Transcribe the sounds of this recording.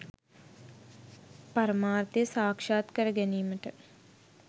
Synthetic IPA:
paɾɐmaːrt̪ijəsaːkʂaːt̪kəɾəɡæniːməʈə

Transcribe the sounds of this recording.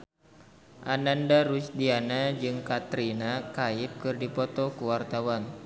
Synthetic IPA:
ʔanandaɾut͡ʃdianad͡ʒɨŋkat̪ɾinakaip̚kɨrdipɔt̪ɔkuwart̪awan

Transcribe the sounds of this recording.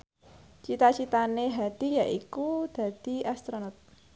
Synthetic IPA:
t͡ʃit̪at͡ʃit̪aneɦad̪̥ijaʔikud̪̥ä̤d̪̥i̤ast̪ɾonɔt̪̚

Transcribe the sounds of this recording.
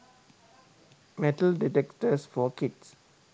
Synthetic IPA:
mɛʈəlɖiʈɛkʈəsfɔkids

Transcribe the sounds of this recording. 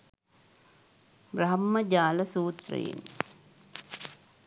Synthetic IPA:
bɾɐɦɐmːɐd͡ʒaːlɐsuːt̪rɐ̰jḛn

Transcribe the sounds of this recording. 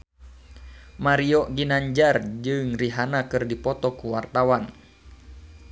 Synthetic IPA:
maɾiɔɡinaɲd͡ʒard͡ʒɨŋriɦanakɨrdipɔt̪ɔkuwart̪awan

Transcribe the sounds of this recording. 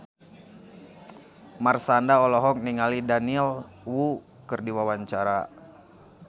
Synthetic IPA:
marsandaɔlɔɦɔk̚niŋalidaniɛl | wu | kərdiwawaɲt͡ʃaɾa

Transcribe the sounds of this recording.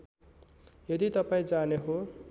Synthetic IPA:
jʌd̪it̪ʌpaĩd͡zaneɦo

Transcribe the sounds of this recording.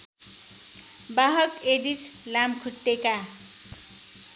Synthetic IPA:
baɦʌkeɖis | lamkʰuʈːeka

